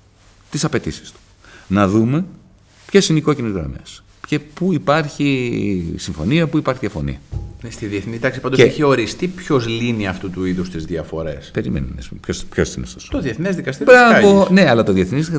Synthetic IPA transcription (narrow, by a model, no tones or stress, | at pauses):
t̪isɐpe̞t̪isi̥st̪u̥ | nɐðume̞ | pçe̞sineiko̞cinizɣɾɐ̰me̞̰s | pcepuipɐɾçi | siɱfo̞̰niɐpuipɐɾçiðɐfo̞̰nḭɐst̪iðieθnit̪ɐksipɐnd̪eçio̞ɾist̪ipço̞zliniɐft̪ut̪uiðust̪izðjɐfo̞ɾe̞spe̞ɾimḛnḭnḛspṵmpçosçossinest̪ost̪oðieθnezðikɐst̪ibɾɐvone̞ɐlɐt̪oðieθniz